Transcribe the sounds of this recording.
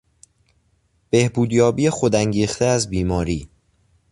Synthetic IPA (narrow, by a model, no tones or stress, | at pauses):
b̥e̞hbuːd̪jɒːbiːexod̪æŋɟiːxt̪ʰeæzbiːmɒːɾiː